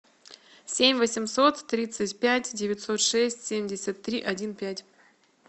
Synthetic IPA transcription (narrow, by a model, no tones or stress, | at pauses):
sʲemʲvəsʲɪmso̞t̪ːɾʲit̪sɨtʲpʲætʲdʲɪvʲɪtʲsot̪ʂɛsʲtʲsʲemʲdʲɪsʲət̪ːɾʲiʔɐdʲinpʲætʲ